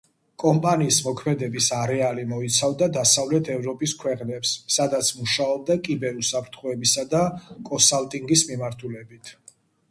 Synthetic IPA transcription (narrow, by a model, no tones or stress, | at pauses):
kʼɔmpʼaniːsmɔkʰmɛd̪ɛbisaɾɛalimɔit̪sʰavd̪ad̪asavlɛt̪ʰɛvɾɔpʼiskʰwɛqʼnɛpsːad̪at̪sʰmuʃaɔb̚d̪akʼibɛɾusapʰɾt̪ʰχɔɛbisad̪akʼɔsalt̪ʼiŋɡismimaɾt̪ʰulɛbit̪ʰ